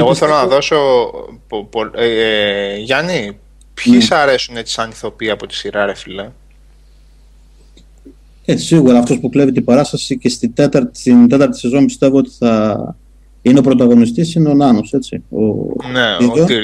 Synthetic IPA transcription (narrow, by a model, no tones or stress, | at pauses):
eɣoθelonɐðo̞so | po | ʝɐni | pçisɐɾe̞sunet͡si̥sɐniθo̞piɐpo̞t̪i̥siɾɐɾefile | ei̥siɣuɾɐːft̪o̞spuklevit̪ibɐɾɐst̪ɐsice̞st̪id̪e̞t̪ɐɾt̪ind̪e̞t̪ɐɾt̪i̥se̞zo̞mbist̪e̞voo̞t̪i̥θɐ | ine̞o̞pɾo̞t̪̬ɐɣo̞nist̪isineonɐno̞se̞sḭo̞̰neioi